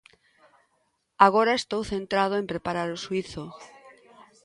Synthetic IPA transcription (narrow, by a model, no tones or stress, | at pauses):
aɣ̞oɾaest̪owθent̪ɾað̞oempɾepaɾaɾʊsuiθʊ